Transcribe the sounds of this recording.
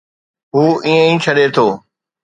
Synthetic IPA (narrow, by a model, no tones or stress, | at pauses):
ɦuːĩːə̃ĩːt͡ɕʰəɗet̪ʰoː